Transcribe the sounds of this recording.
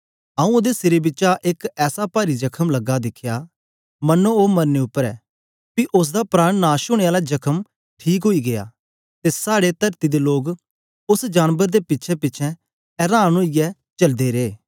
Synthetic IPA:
ãːũod̪esɪɾebɪtːt͡ʃaʔɪkɛːsapaːɾid͡ʒɐkʰəmlɐɡːad̪ɪkʰːja | mɐnooːmɐɾneʊpːəɾɛː | piʔʊs̬d̪apɾaːɽ̃naːʃʊɽ̃eaːlad͡ʒɐkʰəm | ʈʰiːkɦoiɡeja̰ː | t̪esaːɽet̪ɐɾt̪id̪eloːɡ | ʊsd͡ʒaːnbəɾd̪epɪtːʃʰɛpɪtːt͡ʃʰɛ̃ | ɛɾaːɽ̃oːijɛ | t͡ʃɐld̪eɾeː

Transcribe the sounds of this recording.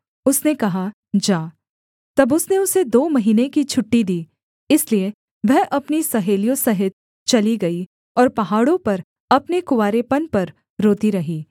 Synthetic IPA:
ʊsnekɐɦa | d͡ʒaː | t̪ɐbʊsneʊsed̪oːmɐɦiːnekit͡ʃʰʊʈːid̪iː | ɪslie | ʋɛɦʔɐpnisɐɦeːlijõsɐɦɪt̪̚ | t͡ʃɐliɡɐi | ɔːɾpɐɦaːɽõpɐɾ | ɐpnekʊʋaːɾepɐnpɐɾ | ɾoːt̪iɾɐɦiː

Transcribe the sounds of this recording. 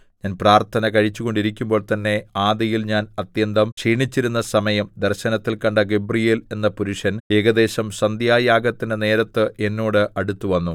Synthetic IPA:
ɲaːnpraːrt̪ʰɐnɐkɐɻit͡ɕːuɣo̞ɳɖiɾikʲːumbo̞ːɭt̪ɐnːe̞aːd̪ɐjilɲaːnɐt̪jɐnd̪ɐmʂiːɳit͡ɕːiɾunːɐsɐmɐjɐmd̪ɐrɕɐnɐt̪ːilkɐɳɖɐɡe̞brijeːle̞nːɐpuɾuʂɐne̞ːɡɐd̪e̞ːɕɐmsɐnd̪jaːjaːɡɐt̪ːinene̞ːɾɐt̪ːɨʔe̞nːoːɽɨʔɐɽut̪ːuʋɐnːu

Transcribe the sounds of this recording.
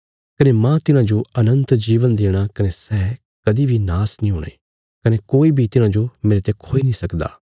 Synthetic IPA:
kɐnemãt̪ɪnãd͡ʒoɐnə̃nt̪d͡ʒiːʋənd̪eːɽ̃akɐnesɛː | kɐd̪ibʱinaːsnĩɦoːɽ̃ḛː | kɐnekoːibʱit̪ɪnãd͡ʒomẽːɾet̪ekʰoːinĩsɐkd̪a̰ː

